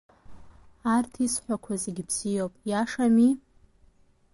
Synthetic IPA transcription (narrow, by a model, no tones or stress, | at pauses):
artʰisħʷakʷʰaziɡʲɪbz̥ijopʼjaʂami